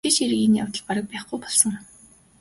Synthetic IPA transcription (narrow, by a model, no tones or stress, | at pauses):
et͡ɕiɾɣinːɔ̰wt̪ɞ̆ɮpaɾə̆k̚pæːχɡujpɔɮsɞ̆ŋ